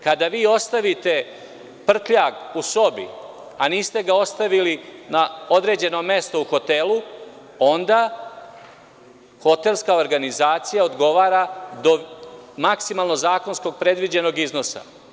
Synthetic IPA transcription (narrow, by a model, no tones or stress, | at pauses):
kad̪aʋiːo̞st̪aʋit̪e̞ | pr̩t̪ʎaɡuso̞bḭ | aniːst̪e̞ɡao̞st̪aʋilinaod̪ɾe̞ːd͡ʑe̞no̞me̞st̪ouxo̞t̪elu | o̞nd̪a | xo̞t̪e̞lˠskao̞ɾɡanizaːt̪sijaod̪ɡo̞ʋaːɾad̪omaksimalˠno̞zaːko̞nsko̞ɡ̚pɾe̞d̪ʋid͡ʑe̞no̞ɡizno̞sa̰